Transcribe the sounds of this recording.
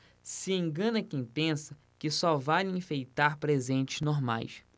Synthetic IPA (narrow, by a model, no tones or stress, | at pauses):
sɪẽŋɡɐ̃nɐkẽj̃pẽsɐ | kɪsɔvalẽfejt̪aɾpɾezẽnt͡ʃɪznoɾma̰js